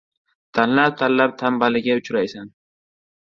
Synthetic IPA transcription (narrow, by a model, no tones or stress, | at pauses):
t̪ʰanlap̚t̪ʰanlap̚t̪ʰambalɪɡʲaʊt͡ʃʰɾajsan